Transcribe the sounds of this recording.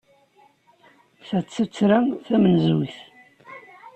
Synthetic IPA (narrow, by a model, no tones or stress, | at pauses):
θæt͡sːət͡sːɾæθæmənzuθ